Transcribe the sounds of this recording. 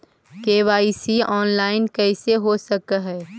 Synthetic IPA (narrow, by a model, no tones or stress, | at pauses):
keːʋaːisiɔːnlaːɪnkɛːɪseɦosɐkaɦɛː